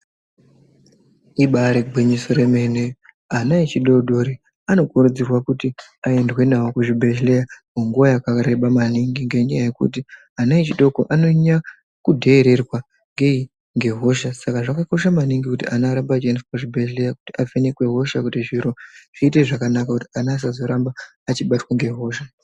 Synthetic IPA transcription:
iɓaɾeɡ͡bʱiɲiso̞ɾe̞me̞ne | anait͡ʃiɗo̞ɗʱoɾi | ano̞kuɾud͡zirwakuti | ae̞ndwe̞naokuʐibʱe̞ɮlejamoŋɡuʋajakareɓamaniŋɡiŋɡe̞ɲajaje̞kṵti | anait͡ʃiɗo̞ko̰ʔano̞ɲa | kudʱe̞ːɾe̞rwa | ŋɡe̞i | ŋɡe̞ɦo̞ʃasakaʐakako̞ʃamaniŋɡikutiʔanaːɾambat͡ʃiensapuʐibʱeʒle̞jaku̥tiafenekwe̞ɦo̞ʃakutiʐiɾo̞ʐ̥iːte̞ʐakanakakuti̥anaːs̬azo̞ɾambaː | t͡ʃiɓatwaŋɡe̞ɦo̞ːʃa

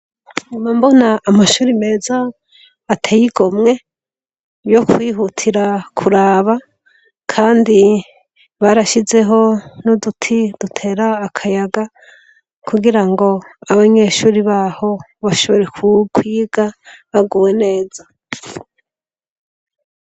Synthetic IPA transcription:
nimambo̞naːmaʃuːɾime̞ːzaː | tʰejiɡo̞mŋe̞ | jo̞kwiːɦutʰiɾakʰuɾaːβa | kʰaːndi | βaɾaʃize̞ɦo̞nudutʰid̥utʰe̞ːɾaːkʰajaɡa | kʰuɡiɾaŋɡo̞aβaɲe̞ːʃuːɾiβaho̞ | βaʃo̞βo̞ɾe̞kʰukʰwiːɡaβaɡuːwe̞ne̞ːza

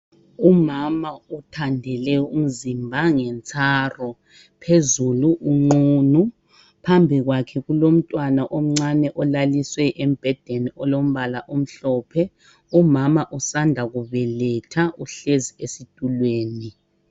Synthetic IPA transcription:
umamautʰandʱɛlɛum̩zimbʱaŋɛnt͡sʰʼaːrɔ | pʰezuluʔuŋ͡ǃuːnu | pʰambʱiɣwakʰɛɣulom̩tʼwanaʔom̩ŋ͡ǀanɛʔɔlaliswɛʔɛm̩b̥ʱɛd̥ʱeniɔlom̩βalaʔom̩ɬɔːpʰɛ | umamaʔusandʱaɣuβɛlɛtʰaʔuɬeziesid̥ʱulweːni

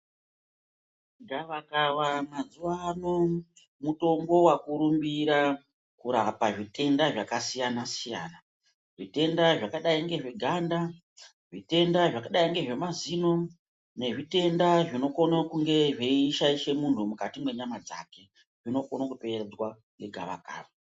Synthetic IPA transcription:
ŋɡaʋakaʋamazuwano | muto̞mbo̞wakuɾumbiɾa | kuɾapaʐite̞ndaʐakasijanasija̰ːna | ʐite̞ndaʐakaɗaiŋɡe̞ʐiɡʱanda | ʐite̞ndaʐakaɗaiŋɡe̞ʐe̞mazino̞ | ne̞ʐite̞ndaʐino̞konakuŋɡe̞ʐeiʃaiʃe̞muntʰumukatimwe̞ɲamad͡za̰ke̞ | ʐino̞konokuped͡zwa | ŋɡe̞ɡʱa̰ʋa̰ka̰ːʋa

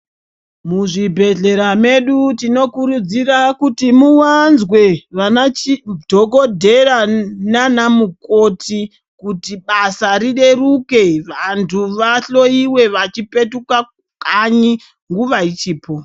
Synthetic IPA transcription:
muʐibʱe̞ɮe̞ɾame̞ɗutino̞kuɾud͡zirakutimuwanzwe̞ʋanaidʱo̞ko̞dʱe̞rananamuko̞ti | kutiɓasaɾiɗe̞ruke̞ʋantʰuʋaɬo̞iwe̞ʋat͡ʃipe̞tuka | kaɲi | ŋɡuʋait͡ʃiːpo̞

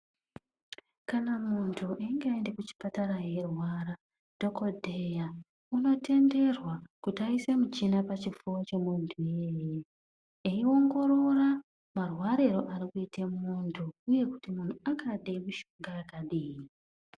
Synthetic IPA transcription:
kanamuntʰuʔaiŋɡeaende̞kut͡ʃi̥pataɾaje̞rwaːɾa | d̥ʱo̞ko̞dʱeja | uno̞te̞nde̞rwakutaisemut͡ʃinapat͡ʃivuwot͡ʃe̞muntʰujeːje | eio̞ŋɡo̞ɾo̞ra | marwaɾeɾo̞ʔaɾikuitʰemmuntʰuːje̞ku̥timun̤uakʰaɗemuʃuŋɡaːkaɗiːji

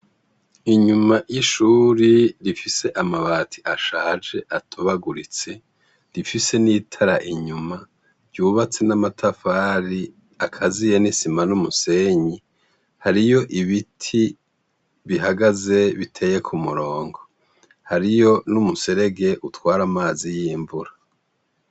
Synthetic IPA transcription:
iɲumajiʃuːɾiɾifise̞ʔamaβaːtʰi̥ʔaʃaːd͡ʒe̞ʔatʰuβaɡuɾit͡se̞ | ɾifise̞niːtʰaɾaʔiɲuma | v̥ɟuːβat͡se̞namatʰafaːɾi | akʰazijenisimanumuse̞ɲi | haɾijo̞ʔiβitʰi | βiɦaɡaze̞βitʰe̞ːje̞kʰumuɾo̞ːŋɡo̞ | haɾijo̞numuse̞ɾe̞ɡe̞ʔutwaːɾamaːzijiːɱvuɾa

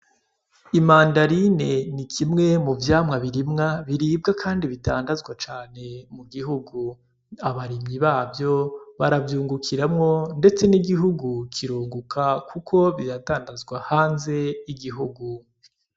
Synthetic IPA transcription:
imaːndaɾine̞nikʰimŋe̞muvjaːmŋaβiɾimŋaβiɾiːb̚ɡakʰaːndiβita̰ːndazɡwat͡ʃaːne̞muɡiɦuɡu | aβaɾimɲiβaːbjo̞βaɾavjuːŋɡukʰiɾamŋo̞nde̞t͡se̞niɡiɦuɡukʰiɾuːŋɡukʰakʰukʰo̞βiɾataːndazɡwahaːnze̞iɡiɦuɡu

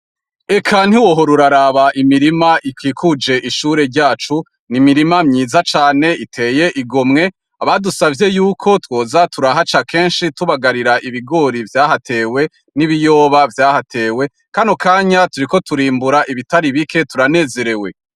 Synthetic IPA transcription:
ekʰan̥hiwo̞ɦo̞ɾuɾaɾaβaʔimiɾimaʔikwiːkud͡ʒe̞ʔiʃuːɾe̞ɾɟaːt͡ʃu | nimiɾimamɲiːzat͡ʃaːne̞itʰe̞ːje̞ʔiɡomŋe̞ | aβadusavje̞juːkʰo̞two̞ːzatʰuɾaɦat͡ʃakʰe̞ːnʃituβaɡaɾiɾaʔiβiɡo̞ɾivjaːɦatʰe̞ːwe̞ | niβijo̞ːβavjaːhatʰe̞ːwe̞ | kanokʰaːɲatuɾiko̞tuɾiːmbuɾaʔiβitaɾiβike̞tuɾane̞ːze̞ɾe̞we̞

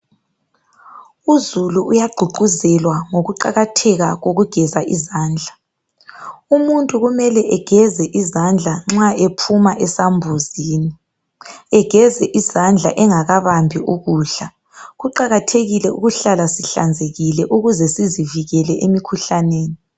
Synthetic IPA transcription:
uzuluʔujaɡ͡ǃʱuɡ͡ǃʱuzɛlwaŋoɣuǃa̰ɣatʰɛɣaɣoɣuɡ̥ʱɛzaʔizaːnd͡ɮʱa | umuntʼuɣumɛlɛʔɛɡ̥ʱɛzɛʔizand͡ɮʱaŋ͡ǁaepʰumaʔɛsambʱuziːni | ɛɡ̥ʱɛzɛʔizand͡ɮʱa̰ʔɛŋaɣaβambʱiʔuɣuːɬa | ɣuǃaɣatʰeɣilɛṵɣuɬalasiɬa̰nd͡zʱeɣilɛʔuɣuzɛsiziviɣɛlɛʔemikʰuɬaneːni

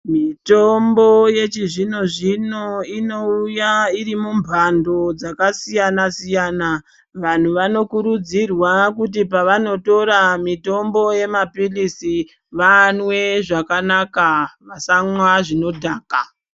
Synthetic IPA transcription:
mito̞mbo̞jet͡ʃiʐino̞ʐino̞ino̞ujaiɾimumbʱando̞d͡zakasijanasijaːna | ʋan̤uʋano̞kuɾud͡zirwak̬ut̬ipaʋano̞to̞ɾamito̞mbo̞je̞mapilisi | ʋanwe̞ʐakanakaʋasamwaʐino̞dʱaːka

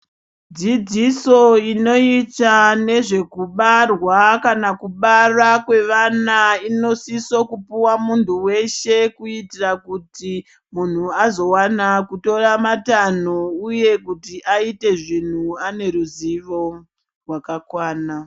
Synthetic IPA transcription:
d͡zid͡ziso̞ino̞itane̞ʐe̞kuɓarwakanakuɓarakwe̞ʋanaino̞sisokupuwamuntʰuwe̞ʃe̞kuitirakuti | mun̤uazo̞wanakuto̞ramatan̤ouje̞kutiʔaite̞ʐin̤uane̞ɾuziʋo̞ | rwakakwaːna

